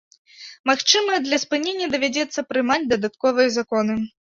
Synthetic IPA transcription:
maxt͡ʂɨmɨjɐd̪lʲɐspɨnʲenʲːɐd̪ɐvʲad͡zʲɛt̪sːɐpɾɨmad͡zʲd̪ɐd̪at̪kɔvɨjɐzakɔnɨ

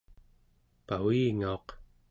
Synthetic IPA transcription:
pawiːŋaoq

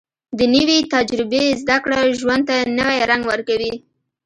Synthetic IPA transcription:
d̪ənəwit̪ad͡ʒɾɪbezd̪akɽaʒwand̪̚t̪anəwajɾaŋɡwəɾkawi

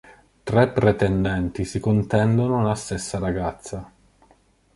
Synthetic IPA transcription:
t̪ɾɛpːɾet̪ɛnd̪ɛnt̪isikont̪ɛnd̪onolast̪esːaɾaɡat̪sːa

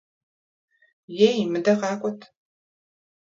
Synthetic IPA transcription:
jejmɨdɐʁɑːkʷʼɔtʰ

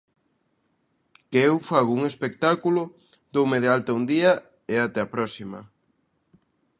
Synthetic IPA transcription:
keewfaɣouŋespek̚t̪akulʊ | d̪owmeðealt̪aund̪iɐ | eat̪ɛapɾɔsimɐ

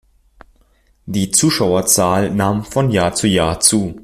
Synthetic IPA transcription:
d̥iːt͡suːʃaʊɐt͡saːlnaːmfɔnjaːɐt͡sujaːɐt͡suː

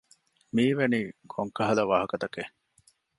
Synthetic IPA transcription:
miːʋeniːkʰoŋkɐɦɐlɐʋaːɦɐkɐt̪ɐke

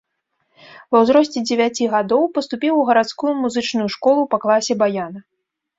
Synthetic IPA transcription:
vɐwzɾɔsʲt͡sʲɛd͡zʲɪvʲat͡sʲiɣad̪ɔwpɐst̪upʲiwuɣɐɾat̪skujumuzɨt͡ʂnujuʂkɔlˠupɐklˠasʲɛbajanɐ

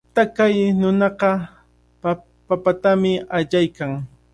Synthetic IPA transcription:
t̪akajnʊnɑqɑ | papat̪amɪaʎajkaŋ

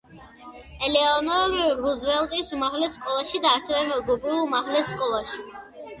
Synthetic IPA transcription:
ɛlɛɔnɔɾiɾuzvɛlˠt̪ʼisumaʁlɛskʼɔlˠaʃid̪aːsɛvɛmɛɡɔbɾilˠumaʁlɛskʼɔlˠaʃi̥

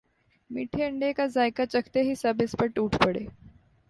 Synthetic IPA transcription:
miʈʰiəɳɖekad͡zajkat͡ɕəkʰt̪eɦiːsəbispəʈuːʈʰpəɽe

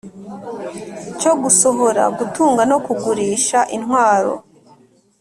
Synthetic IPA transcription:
co̞ɡuso̞βo̞ɾa̰ɡutuːŋɡano̞kuɡuɾiːʃaʔinɦwaːɾo̞̰

